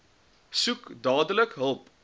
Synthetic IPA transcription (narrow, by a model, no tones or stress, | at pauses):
sukdɑːdələkɦəlˠp